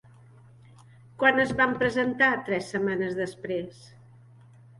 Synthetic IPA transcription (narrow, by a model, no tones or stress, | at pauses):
kwanəzβampɾəzənt̪at̪ɾɛsːəmanəzðəspɾes